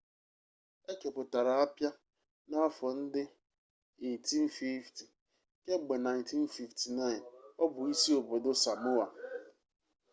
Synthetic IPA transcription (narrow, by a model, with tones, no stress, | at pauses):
e˦ke˨pʊ˨ta˨ɾa˨a˦pja˦ | na˦fɔ˨n̩˦dɪ˦ | e˨ti˦n̩˦fi˦fti˨ | ke˦ɡ͡be˨na˨jnti˦n̩˦fi˨fti˨na˦ɪ˨nɔ˦bʊ˨i˦si˦o˨bo˨do˦sa˨mʊ˦a˨